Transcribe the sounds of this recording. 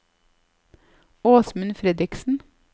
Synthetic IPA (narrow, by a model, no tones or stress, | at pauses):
oːsmʉnfɾɛd̪ɾɪksn̩